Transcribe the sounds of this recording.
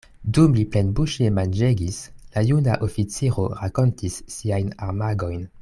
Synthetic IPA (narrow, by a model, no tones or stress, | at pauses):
dumliplenbuʃemand͡ʒeɡislajunaʔofit͡siɾo̞ɾako̞ntisːiajnaʁmaɡo̞jn